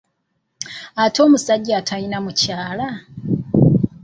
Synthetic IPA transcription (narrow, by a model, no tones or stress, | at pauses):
ato̞ːmusaɟiatʰainamucaːla